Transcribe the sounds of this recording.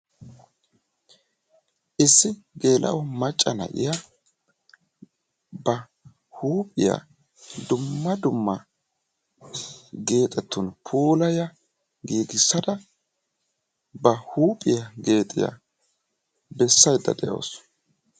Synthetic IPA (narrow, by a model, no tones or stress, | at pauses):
ʔɪsːɪɡe̞ːlʔɐ̰ʔɔmɐt͡ʃʼːɐnɐ̰ʔɪ̰ja | bɐ | huːpʼɪja̰ | d̪ʊmːɐd̪ʊmːɐ | ɡe̞ːt̪ʼɛt̪ːʊnpʰuːlɐjɐ | ɡiːɡɪsːɐd̪ɐ | bɐhuːpʼɪjɐɡe̞ːt̪ʼɪ̰ja̰ | bɛsːɐjd̪ːɐ̰d̪ɛjʔo̰ːs